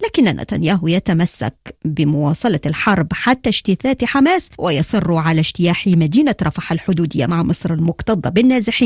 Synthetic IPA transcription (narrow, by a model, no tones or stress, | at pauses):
laːkɪnːanʔa̰t̪a̰njaːɦʊjat̪amasːa̰kbɪmʊwɑːsˤɑlɑlħɑɾˤbħat̪ːaʃt̪ɪθaːt̪ħamaːswɪjɑsˤɨrːʕalaʃt̪ɪjaːħimad̪iːnaɾˤɑfaħalħʊd̪uːd̪ɪjːa̰maʕmɨsˤɾalmʊqt̪ɑd̪ˤːɑbɪnːaːzɪħiː